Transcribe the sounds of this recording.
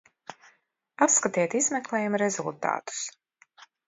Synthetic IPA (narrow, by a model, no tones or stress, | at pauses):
apskat̪iɛt̪izmɛklˠɛːjumɾɛzulˠt̪a̰ːt̪u̥s